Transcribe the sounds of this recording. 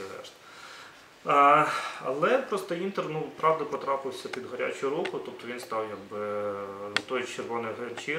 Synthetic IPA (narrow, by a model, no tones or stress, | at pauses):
ɦɛ̰ʃt̪ | ɐ̰lˠɛpɾɔst̪ɔint̪ernupɾɑʋd̪ɐpɔt̪ɾɑpɪwsʲɐpʲid̪ɦɔɾʲa̰t͡ʃʊʊɾukʊt̪up̚t̪ɔʋʲinst̪ɑwjaɡ̚bɪ | t̪ɔjt͡ʃerʋɔnɪjɦent͡ʃi